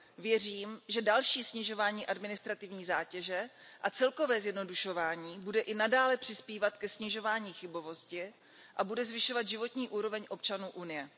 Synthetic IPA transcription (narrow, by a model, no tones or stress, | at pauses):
vjɛriːmʒɛdalʃiːsɲɪʒo̞vaːɲiːʔadmɪnɪst̪ɾat̪ɪvɲiːzaːcɛʒɛ | ʔat͡sɛlko̞vɛːzjɛdno̞duʃo̞vaːɲiːbudɛʔɪnadaːlɛpr̝̥ɪspiːvat̪kɛsɲɪʒo̞vaːɲiːxɪbo̞vo̞scɪ | ʔabudɛzvɪʃo̞vad̪ʒɪvo̞t̪ɲiːʔuːɾo̞vɛɲʔo̞pt͡ʃanuːʔunɪjɛ